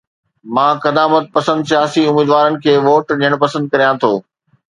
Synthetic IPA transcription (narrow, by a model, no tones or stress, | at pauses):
mãːkɐd̪aːmət̪̚pɐsə̃nd̪sijaːsiʊmiːd̪ʋaːɾənɪ̆kʰeːʋoːʈɗiəɽ̃pɐsə̃nd̪̚kɐɾijãt̪ʰoː